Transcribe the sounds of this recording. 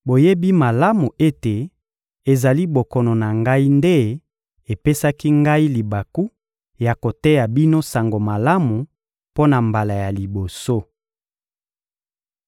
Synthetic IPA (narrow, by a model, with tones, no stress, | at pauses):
bo˨je˦bi˦ma˨la˦mu˨e˦te˨ | e˨za˨li˦bo˨kɔ˨nɔ˨na˨ŋɡa˦i˦nde˦ | e˨pe˦sa˦ki˦ŋɡa˦i˦li˨ba˨ku˦ | ja˨ko˨te˦ja˨bi˦no˦sa˨ŋɡo˨ma˨la˦mu˨ | po˦na˨mba˨la˨ja˨li˨bo˨so˦